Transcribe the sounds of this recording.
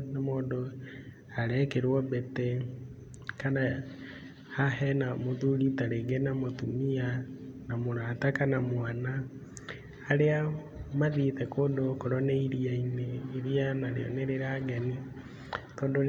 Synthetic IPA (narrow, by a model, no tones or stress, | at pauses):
nemoːndo | aɾɛkeɾwɔbetɛ | kana | hahɛnamoðuɾitaɾeɡɛnamotumianamoɾatakanamwanaː | ɾea | maðiːθɛkoːndokoɾɔneiɾiaineiɾianaɾḛjɔ̰neɾeɾaɡani | kɔːndo